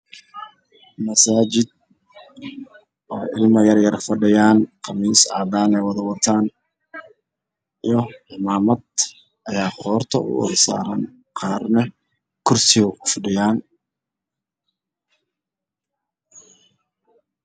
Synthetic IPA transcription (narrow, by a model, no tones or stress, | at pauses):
mɐsaːt͡ʃɪd̪̚ | ɔːʔɪlmɐjɐrjɐrfɐɖɪjaːnqɑmiːsɑ̰ːd̪aːnɛːwɑðɐwɐt̪ʰaːn | ijɔɪmaːmɐd̪ | ʔɐjaːhɔːrt̪ʰɐʊ̰wɔ̰ðɪsa̰ːɾɐn | qʰɑːrnɛ | kʰʊrsɪɣʊʊfɐɖɪjaːn